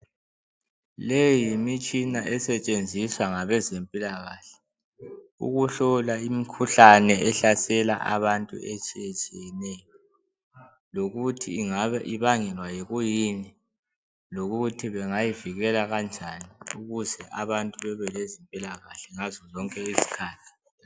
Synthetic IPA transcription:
lejimit͡ʃʼinaʔɛsɛt͡ʃʼend͡zʱiswaŋaβɛzempʼilaɣaɬɛ̥ | ṵɣuɬɔlaimikʰuɬanɛɛɬasɛla̰ʔa̰βantʼṵʔet͡ʃʼijɛt͡ʃʼijɛnɛːjɔ | loɣutʰiːŋaaʔiβaŋɛlwajɛɣujini | loɣutʰiβɛŋajiviɣɛlaɣand͡ʒʱaniuɣuzɛʔaβantʼuβɛβɛlezimpʼilaɣaɬɛŋazɔzɔŋkʼɛizi̥kʰaːtʰi̥

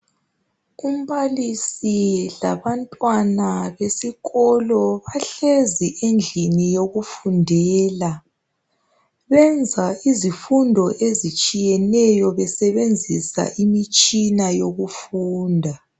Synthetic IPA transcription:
um̩βalisilaβantʼwanaβesiɣɔlɔβaɬeziʔend͡ɮʱinijoɣufundʱɛːla | βɛnd͡zʱaizifundʱɔʔezit͡ʃʼijɛnɛjɔβɛsɛβend͡zʱisa̰ʔimit͡ʃʼinajoɣufuːndʱa

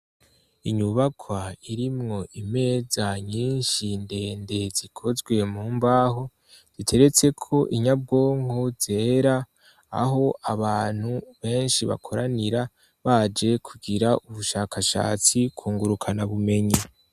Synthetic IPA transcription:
iɲuβakʰwaiɾimŋo̞ime̞ːzaɲiːnʃinde̞nde̞zikʰo̞zɡwe̞muːmbaːɦo̞ | z̥itʰe̞ɾe̞t͡se̞kʰo̞ʔiɲab̚ɡo̞ːŋhoz̥e̞ːɾaː | a̰ɦo̞aβaːn̥huβe̞ːnʃiβa̰kʰoɾaniɾa | βad͡ʒe̞kʰuɡiɾaʔuβuʃaːkʰaʃa̰ːt͡sikʰuːŋɡuɾukʰanaβume̞ɲe

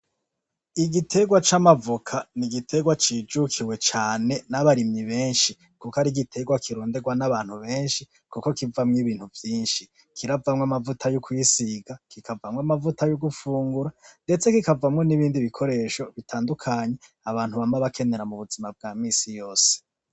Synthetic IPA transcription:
iɡitʰe̞ɡwat͡ʃamavukʰaniɡitʰe̞ɡwat͡ʃiːd͡ʒukʰiwe̞t͡ʃaːne̞naβaɾimɲiβe̞ːnʃi | kukaɾiɡitʰe̞ɡwakʰiɾoːnde̞ɡwanaβaːn̥huβe̞ːnʃi | kuko̞kivamŋiβiːn̥huvjiːnʃi | kʰiɾavamŋamavutʰajokʰwiːsiɡakikʰavamŋwamavutajoɡufuːŋɡuɾande̞t͡se̞kikavamŋo̞niβiːndiβikʰo̞ɾe̞ːʃo̞βitʰaːndukʰaɲe̞ | aβaːn̥huβamaβakʰe̞ne̞ɾamuβuzimab̚ɡaːmiːsijo̞ːse̥

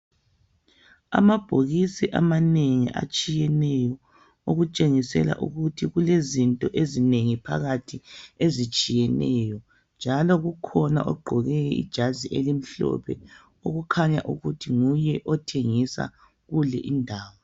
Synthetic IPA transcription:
a̰mab̥ʱoɣisiʔamaneŋḭʔa̰t͡ʃʼijɛnɛjɔ | oɣut͡ʃʼeŋisɛ̰la̰ʔṵɣutʰiɣulezintʼɔʔezineŋipʰa̰ɣatʰiezit͡ʃʼijɛnɛjɔ | nd͡ʒʱalɔɣukʰɔna̰ʔɔɡ͡ǃʱɔɣɛɛḭd̥ʒ̥ʱaziʔelim̩ɬɔ̰pʰɛ | oɣukʰaɲaʔuɣutʰiŋujɛʔɔtʰeŋisa̰ | ɣulɛʔindʱaːwɔ

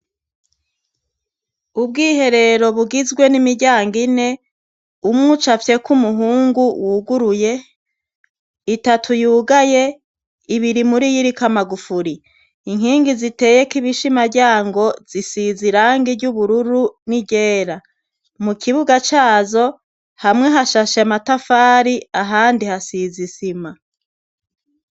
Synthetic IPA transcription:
ub̚ɡiːɦe̞ɾe̞ɾo̞βuɡizɡwe̞nimiɟaːŋɡine̞ | umŋut͡ʃafje̞kumuɦuːŋɡuwʔuɡuɾuje̞ | itatʰujuːɡaje̞ | iβiɾimuɾijiɾikamaɡufuɾi | iŋɦiːŋɡizite̞ːje̞kiβiʃimaɾɟaːŋɡo̞z̥isiziɾaːŋɡiɾɟuβuɾuɾuniɟe̞ːɾa | mukʰiβuɡat͡ʃaːzo̞ | hamŋe̞ɦaʃaʃeamatafaːɾiaɦaːndihasizisima

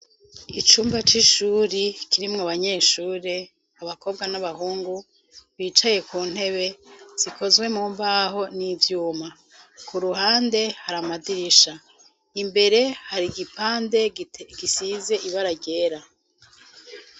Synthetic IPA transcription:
it͡ʃuːmbat͡ʃiʃuːɾikiɾimŋaβaɲe̞ːʃuːɾe̞ | aβako̞ːbɡwanaβaɦuːŋɡu | βiːt͡ʃaje̞kuːn̥he̞βe̞z̥ikʰo̞zwe̞muːmbaɦo̞nivjuːma | kuɾuɦaːnde̞haɾamadiɾiʃa | imbe̞ɾe̞haɾiɡipaːnde̞ɡisize̞ʔiβaɾaɟe̞ːɾa

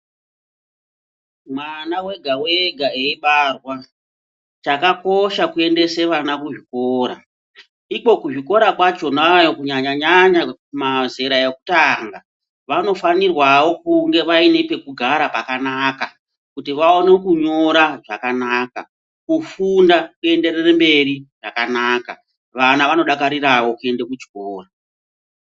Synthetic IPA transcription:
mwanawe̞ɡʱawe̞ɡʱaeiɓarwa | t͡ʃakako̞ʃakue̞nde̞se̞ʋanakuʐiko̞ːɾa | iko̞kuʐiko̞ɾakwat͡ʃo̞najokuɲaɲaɲaɲamaze̞ɾajeku̥taŋɡa | ʋano̞fanirwawo̞kuŋɡe̞ʋaine̞pe̞kuɡʱaɾapakanaka | kutiʋao̞ne̞kuɲo̞ɾaʐakanaka̰ | kufundakuende̞ɾerembe̞riʐakanaːka̰ | ʋanaʋano̞ɗakaɾirawo̞kue̞ndekut͡ʃikoːra

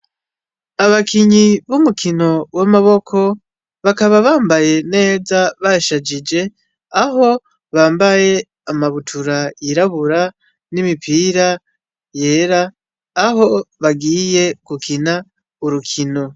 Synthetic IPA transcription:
aβakʰiɲiβumukʰino̞wamaβo̞kʰo̞ | βakaβaβaːmbaje̞ne̞ːzaβaʃad͡ʒid͡ʒe̞ | aɦo̞ | βaːmbaje̞ | amaβutʰuɾaiɾaβuɾa | nimipʰiːɾa | je̞ːɾaː | ho̞βaɡiːje̞kukʰina | uɾukʰino̞

